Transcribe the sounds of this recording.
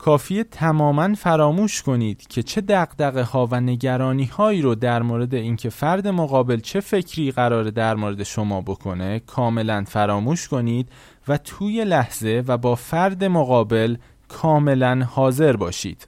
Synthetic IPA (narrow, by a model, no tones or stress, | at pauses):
kʰɒːfiːet̪ʰæmɒːmænfæɾɒːmuːʃkʰo̞niːd̪̥cʰe̞t͡ʃʰe̞d̪æɣd̪æɣe̞hɒːvæne̞ɟæɾɒːniːhɒːiːɾod̪æɾmoːɾe̞d̪e̞iːncʰe̞fæɾd̪e̞mo̞ɣɒːbe̞lt͡ʃʰe̞fe̞cʰɾiːɣæɾɒːɾe̞d̪æɾmoːɾe̞d̪e̞ʃo̞mɒːbo̞kʰo̞ne̞kʰɒːme̞lænfæɾɒːmuːʃkʰo̞niːd̪̥ | væt̪ʰuːje̞læhz̥e̞væbɒːfæɾd̪e̞moɣɒːbe̞l | kʰɒːme̞lænhɒːze̞ɾbɒːʃḭːd̪̥